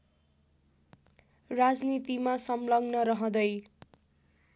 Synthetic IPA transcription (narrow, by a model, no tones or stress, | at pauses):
rad͡znit̪imasʌmlʌɡnʌɾʌɦʌ̃d̪ʌj